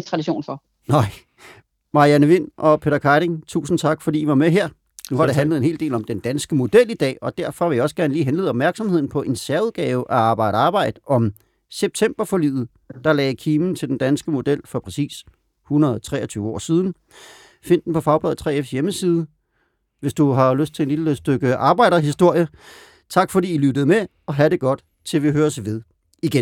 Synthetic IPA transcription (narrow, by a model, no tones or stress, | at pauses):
t͡sʰʁɑdiɕo̝̰ːnfɒ | nɑɪ̰ | mɑ̈iænəʋen̰ʔɒ̽pʰe̝ːɾ̥ɐkʰɑɪɾ̥eŋt͡sʰṵːsn̩t͡sʰɑ̈ɡ̥fɒd̥ḭːiʋɑ̈meɦeɐ̰ | nuhɑ̈d̥e̝ɦænləð̩ˠe̝nhe̝ːlde̝̰ːlɒ̽md̥end̥ænsɡ̥əmo̝d̥el̰id̥ɛ̰ːɒ̽d̥æɐfɒ̽ʋe̝jɑɒ̽sə̥ɡ̥æɐnəliːɦenle̝ːðˠɒb̥mæɐɡ̥sɒ̽mhe̝ð̞̰ˠn̩pʰɒ̽ʔe̝nsæɐuðˠɡ̥ɛːʊʔæɑ̈ːb̥ɑ̈ɪɾ̥əɑ̈ːb̥ɑ̈ɪ̰d̥əɒ̽m | seb̥̚t͡sʰem̰b̥ɐfɒ̽lyːð̩ˠ | d̥ɑ̈lɛːɪkʰiːmn̩t͡sʰe̝ld̥end̥ænsɡ̥əmo̝d̥el̰fɒ̽pʰʁɛsḭːs | hunɐðˠt͡sʰʁɛ̰ːɐt͡sʰyːʊəɒ̰ːsiːð̞ˠn̩ | fe̝n̰d̥n̩pʰɒ̽fɑ̈ʊb̥ʁɛ̰ð̩ˠt͡sʰʁɛ̰ːefsjeməsiːð̞ˠə | ʋe̝sd̥uɦɑ̈løsd̥̚t͡sʰe̝ed̥lid̥sd̥øɡ̥əʔɑ̈ːb̥ɑ̈ɪ̰ɾ̥ɐɦisd̥o̝ɐ̰jə | t͡sʰɑ̈ɡ̥fɒ̽d̥ḭːilyd̥əð̞̩ˠme | ɒ̽ɦæɾe̝ɡ̥ɒ̽d̥ | t͡sʰe̝lʋiɦøːɐsʋe̝ðˠ | iɡ̥en